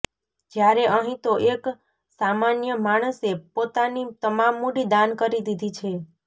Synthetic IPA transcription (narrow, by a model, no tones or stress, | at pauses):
d͡ʒjaɾeʔəɦĩt̪oʔek | samanjəmaɽ̃əsepot̪anit̪əmamːuɖid̪ankəɾid̪id̪ʱit͡ʃʰe